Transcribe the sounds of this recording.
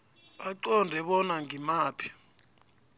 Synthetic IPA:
ɓaǀɔndʱɛɓɔnaŋʱimaːpʰi̥

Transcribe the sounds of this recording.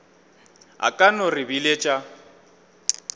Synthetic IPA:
ɦa̰kʼanɔrɪbilet͡ʃʼa

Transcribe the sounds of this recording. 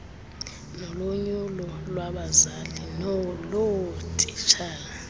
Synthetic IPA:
nɔloɲulɔlwaɓazalinɔlotʼit͡ʃʰaː

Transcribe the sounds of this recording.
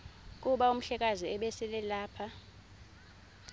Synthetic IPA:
k̬ʼuɓaum̩ɬɛk̬ʼaziɛɓɛsɛlɛlaːpʰa

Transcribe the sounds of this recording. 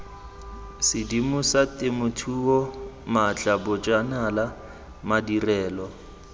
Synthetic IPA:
sɪdimʊsatʼɪmʊtʰuɔmat͡ɬʼabʊt͡ʃʼanala | madirɛːlɔ

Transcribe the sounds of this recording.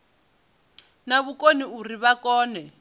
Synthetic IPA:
naβukʼoniuriβakɔːnɛ

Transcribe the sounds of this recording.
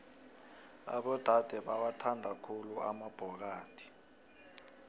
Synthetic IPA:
a̰ɓɔd̥ʱad̥ʱɛɓawatʰandʱakʰulua̰mab̥ʱɔk̬aːtʰi̥

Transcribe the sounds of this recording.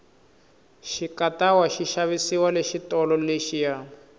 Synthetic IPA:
ʃikatawaʃiʃaβisiwaleʃitɔlɔleʃija

